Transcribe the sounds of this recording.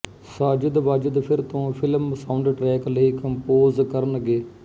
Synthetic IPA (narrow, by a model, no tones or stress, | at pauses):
saːd͡ʒəd̪ʋaːd͡ʒɪd̪pʰɪɾt̪õːpʰɪləmsaʊɳɖʈɾɛːkləiːkəmpoːzkəɾənɡeː